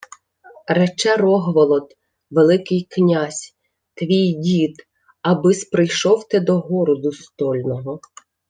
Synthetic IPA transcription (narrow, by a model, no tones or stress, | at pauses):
ɾɛt͡ʃɛrɔɦʋɔlˠɔd̪ | ʋelˠɪkɪjknʲasʲ | t̪ʋʲijdʲit̪ | ɐbɪspɾɪjʃɔwt̪ɛd̪ɔɦɔɾɔd̪ʊst̪ɔlʲnɔɦɔ